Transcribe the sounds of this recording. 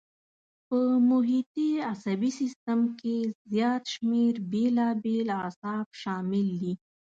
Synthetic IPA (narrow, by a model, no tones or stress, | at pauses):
pəmʊɦit̪iasabisɪst̪əmkezjɑt̪ʃmeɾbelɑbelasɑbʃɑmɪld̪i